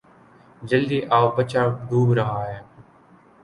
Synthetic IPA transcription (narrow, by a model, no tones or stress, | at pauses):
d͡ʒəld̪iːʔaːbət͡ʃaːɖ̪ʱuːbɾəɦaːɦeː